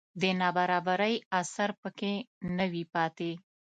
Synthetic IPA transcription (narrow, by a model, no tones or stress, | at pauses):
d̪ənɑbaɾɑbaɾəjasaɾpəkenəwipɑt̪e